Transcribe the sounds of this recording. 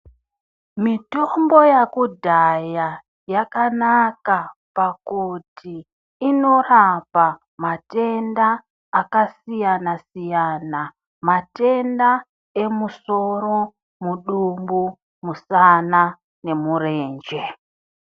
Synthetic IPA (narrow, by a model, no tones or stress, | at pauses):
mitombo̞jakudʱaja | jakanakapakutʰiː | no̞rapa | mate̞ndaː | kasijanasijana | mate̞nda | e̞muso̞ɾo̞ | muɗumbu | musana | ne̞muɾe̞ːnd͡ʒe̞